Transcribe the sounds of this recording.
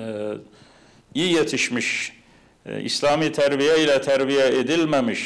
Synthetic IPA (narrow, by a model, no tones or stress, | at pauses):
iːjet̪ʰiʃmiʃ | ḭslaːmiːt̪ʰæɾbijɛilɛt̪ʰæɾbijæed̪ilmæmiʃ